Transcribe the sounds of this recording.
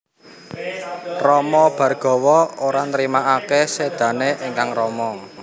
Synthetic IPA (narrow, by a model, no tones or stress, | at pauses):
rɔmɔb̥ä̤rɡ̥ɔ̤wɔoɾanɾimaʔakesed̪̥ä̤neʔeŋkaŋrɔmɔ